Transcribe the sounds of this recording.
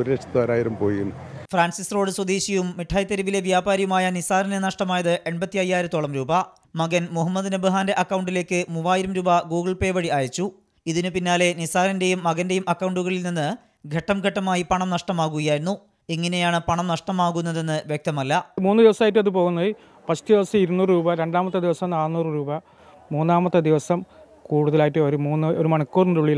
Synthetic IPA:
oɾɾet͡ɕʰɐ̥t̪ːɐɐɾaːjiɾɐmpoːjiunː | fraːnsisro̞ːɖɨswɐd̪iːɕijumːiʈʰːaːjɐt̪ːɐɾɐʋile̞ʋjaːbaːɾjɐmaːjɐnisaːɾɐnɐnɐʂʈɐmaːjɐðɨʔeɳbɐt̪ːijɐjːaːjiɾɨt̪oɭɐmɾuːbɐ | mɐɣɐnmuɦɐmːɐðnɐbɨɦaːnde̞ʔɐkːɐwɳɖile̞ːkːɨmuʋaːjiɾɐmɾuːbɐɡuːɡɐɭpe̞ːʋɐɻiaːjɐt͡ɕːu | iðinupinːaːle̞nisaːɾɐnde̞jumːɐɣɐnde̞jumʔɐkːɐwɳɖuɣɐɭilninːɨ | ɡʱɐʈːɐmɡʱɐʈːɐmaːjipɐɳɐmnɐʂʈɐmaːɣuɣɐjaːjɾunːu | iŋːɐne̞jaːɳɨpɐɳɐmnɐʂʈɐmaːɣunːɐðe̞nːɨʋjek̚t̪ɐmɐlːɐmuːnːɨd̪iʋɐsɐmaːjiʈːɨɐðɨpo̞ːɣunːɐð | pɐɕu̥t̪iʋɐsɐiɾunːuːrɨɾuːbɐɾe̞ɳɖaːmɐt̪ːɨd̪iʋɐsɐmnaːnːuːrɨɾuːbɐ | muːnːaːmɐt̪ːɨd̪iʋɐsɐm | kuːɽuðɐlaːjiʈːɨoɾumuːnːɨoɾumɐɳɐkːuːrntuɭijil

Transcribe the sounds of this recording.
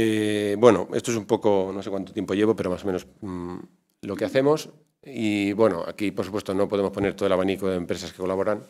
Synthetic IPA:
ebwe̞no̰est̪oesumpo̞konosekwant̪ot̪jmpoʝe̞β̞o̞peɾo̞masomeno̞s | lo̞keaθe̞mo̞s | iβwenoa̰kipoɾsupwe̞st̪onopoðe̞mo̞spone̞ɾt̪oelaβanikoðempɾe̞saskeko̞laβo̞ɾaŋ

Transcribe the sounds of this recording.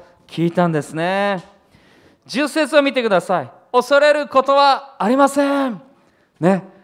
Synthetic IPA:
kʲʰiːt̪ãnd̪e̞sɨne̞ | d͡ʑɨsːe̞t͡sɨomʲit̪e̞kɯ̟d̪asai | o̞so̞ɾe̞ɾɯ̟ko̞t̪o̞βaːɾʲimasẽ | ne̞

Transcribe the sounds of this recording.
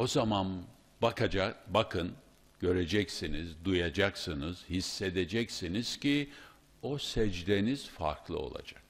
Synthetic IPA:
o̞zaman | bakʰad͡ʒabakʰɯn | ɟ̥ø̞ɾed͡ʒɛcsinizd̪ujad͡ʒaksɯnɯz̥hisːed̪ed͡ʒɛcsiniz̥ci | o̞sɛd͡ʒd̪e̞niz̥fa̰ɾklˠɯ̰o̞̰lˠa̰d͡ʒak̚

